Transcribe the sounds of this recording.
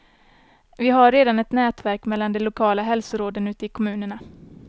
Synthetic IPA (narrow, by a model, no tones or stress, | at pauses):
vɪɦaɾːeːd̪anɛt̪nɛːt̪væɾkmɛlːand̪ɛlʊkʰɑːlaɦɛlsʊɾoːd̪ənʉ̟ːt̪əɪkʰɔmʉ̟ːnəɳa